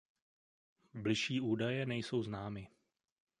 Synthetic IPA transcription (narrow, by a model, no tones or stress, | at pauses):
blɪʃiːʔuːdajɛnɛjso̞wznaːmɪ